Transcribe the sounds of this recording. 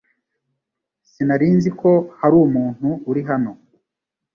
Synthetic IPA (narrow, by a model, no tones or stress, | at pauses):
sinaɾiːnzikʰo̞haɾuːmuːn̥huːɾiɦano̞